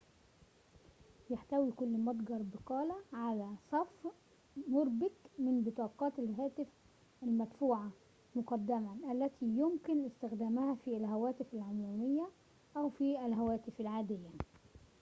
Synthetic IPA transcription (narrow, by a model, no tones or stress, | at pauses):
jaħt̪æwiːkʊlːmɑd̪ˤɡɑɾˤbɪqɑːlæʕalæsˤɑf | mʊɾbɪt̪mɪnbɨt̪ˤɑːqɑːt̪ɪlɦæːt̪ɪf | ʔælmæt̪fuːʕa | mʊqɑd̪ːæmæʔælːæt̪ʰiːjʊmkɪnʔɪst̪ɪxd̪æːmæhæfiːælɦæwæːt̪ɪfalʕʊmuːmɪjːæ | ʔæwfiːʔælɦæwæːt̪ɪfælʕaːd̪ɪjːa